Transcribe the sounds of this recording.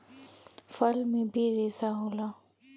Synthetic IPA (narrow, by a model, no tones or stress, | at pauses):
fəlmẽbʱiɾeːsaɦoːlaː